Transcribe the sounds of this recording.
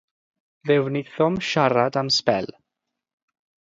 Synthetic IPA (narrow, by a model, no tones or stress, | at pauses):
ðɛwnɪθɔmʃaɾadamspɛ̰l